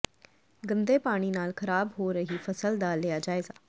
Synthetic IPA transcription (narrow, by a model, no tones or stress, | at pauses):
ɡə̃nd̪eːpaːɽ̃iːnaːlkʰəɾaːbɦoːɾəɦiːfʰəsəld̪aːlɪaːd͡ʒaːeːɡaː